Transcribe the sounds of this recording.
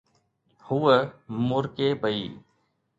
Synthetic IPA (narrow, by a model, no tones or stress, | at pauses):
huːəmʊɾkeːbʱəiː